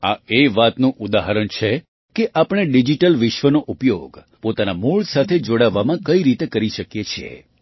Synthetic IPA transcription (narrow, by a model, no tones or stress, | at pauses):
a̰eʋat̪nũʔud̪aɦəɾəɳt͡ʃʰe | keʔapɽ̃eɖid͡ʒiʈəlʋɪʃʋənoʔupjoɡ | pot̪anamuɭsat̪ʰed͡ʒoɽaʋːamãkəiɾit̪ekəɾiʃəkjet͡ʃʰiḛ